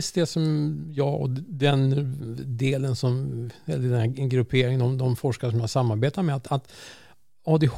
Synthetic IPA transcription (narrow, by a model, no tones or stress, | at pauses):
sd̪ɛsɔmjɑːɔ̰d̪ɛnd̪eːlənsɔmɛlːəɖ̪ɛnæɡɾɵpʰeːɾɪŋənɔmd̪ɔmfɔʂkaɾəʂɔmjahasamːaɾbeːt̪at̪mɛat̪at̪ | ɑːd̪ɛh